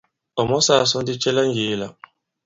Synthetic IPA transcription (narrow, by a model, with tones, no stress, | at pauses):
ɔ˨mɔ˦sa˦˨sɔ˦ndi˦t͡ʃɛ˦la˦ŋɡi˨˦la˨